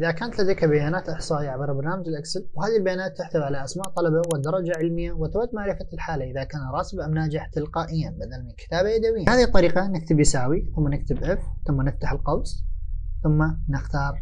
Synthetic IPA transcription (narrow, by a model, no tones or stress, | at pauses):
ʔɪðakaːnat̪lad̪ajkabajaːnaːt̪ʔɪħsˤɑːʔiʕabɪɾˤbɑɾˤnaːmad͡ʒɪlʔaksalwhaːðilbajaːnaːt̪ːɪħθʊðʕalaʔasmaːʔt̪ˤɑlɑbawɪd̪ɑɾˤːɑd͡ʒaʕɪlmɪjːawɪt̪ɾad̪ːmaʕɾɪfalħaːlaʔɪðakaːnɾˤɑːsɪbʔamnaːd͡ʒɪħt̪ɪlqɑːʔɪjːabad̪almɪnkɪ̥t̪aːbajad̪awɪjːahaːðit̪ˤːɑɾiːqɑnɪkt̪ɪbjɪsaːwiθʊmːanɪk̚t̪ɪbʔɪfθʊmːanɪft̪aħɪlqɑbsˤθʊmːanɪxt̪ɑːɾˤ